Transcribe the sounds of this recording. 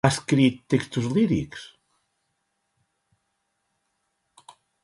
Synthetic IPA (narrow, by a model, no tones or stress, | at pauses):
askɾit̪ːekst̪uzliɾiks